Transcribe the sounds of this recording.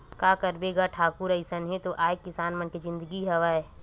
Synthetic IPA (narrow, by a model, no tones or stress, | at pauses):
kaːkɐɾbeɡaʈʰaːkʊɾəɪsənɦẽt̪oʔaːekːɪsaːnmənked͡ʒɪ̃nd̪əɡiɦɐʋaːe